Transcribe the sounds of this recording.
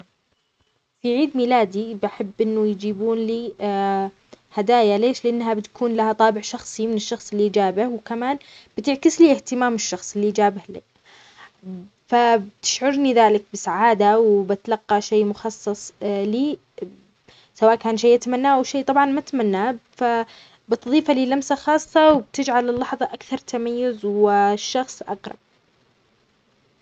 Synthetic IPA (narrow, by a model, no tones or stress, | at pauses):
fiʕiːd̪miːlaːd̪ibaħɪbːʔɪnːʊjd͡ʒiːbuːnliː | had̪aːjaleːʃlɪʔanːɦabɪt̪ḁkʰuːnlahat̪ˤɑːbɪʕʃɑxsˤimɪnɪʃːɑxsˤɪlːiʔd͡ʒaːbɪhwkamaːnb̥ɪt̪ɪʕkɪsliːʔɪht̪ɪmaːmɪʃːɑxsˤɪlːiʔd͡ʒaːbɪhli | fabt̪ɪ̥ʃʕʊɾniðaːlɪk̚bɪsaʕaːd̪awbɪt̪alɑqːɑʃeːmʊxɑsˤːɑsˤliː | sawaːʔkaːnʃejʔat̪amanːaːʔawʃeːt̪ˤɑbʕɑnmat̪amanːaːfa | bɪt̪ðˤiːfaliːlamsaxɑːsˤːɑwɪb̚t̪ɪd͡ʒʕalɪlːɑħðˤɑʔakθɑɾˤt̪ʰamajːʊzwɪʃːɑxsˤʔɑ̰qɾˤɑ̰b̚